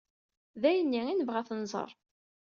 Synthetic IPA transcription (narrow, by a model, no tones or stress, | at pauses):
ðæjənːiinəvʁæθənzˤə̰ɾˤ